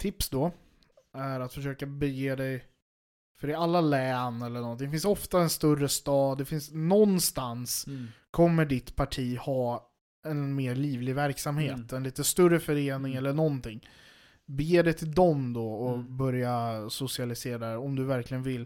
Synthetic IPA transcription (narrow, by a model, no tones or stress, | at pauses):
t̪ʰɪpsd̪ɔ | æɾat̪fœʂøːkabɛjeːd̪ɛj | fœɾɪalːalɛːnɛlːəɳɔnt̪̬ɪŋfɪnsɔft̪aɛnst̪ɵrəst̪ɑːd̪ːɛfɪnsnɔnːst̪anskʰɔmːəɖɪt̪pʰaʈʰiːhɑː | ɛnmeːɾɭiːvlɪvæɾksamheːt̪ɛnliːt̪əst̪ɵrːəfœɾeːnɪŋɛlːəɳɔnt̪ʰɪŋː | bɛjeːd̪ɛjt̪ʰɪld̪ɔmd̪ɔɔbœɾjasʊsɪalɪseːɾad̪ɛɾɔmd̪ɵvæɾklɪɡənvɪlː